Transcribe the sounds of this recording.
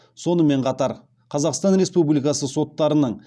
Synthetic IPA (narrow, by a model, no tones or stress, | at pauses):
so̞nəme̞ɴqʰɑt̪ɑɾ | qʰɑzɑqst̪ɑnɾe̞spublijkɑsəso̞t̪ːɑɾənəɴ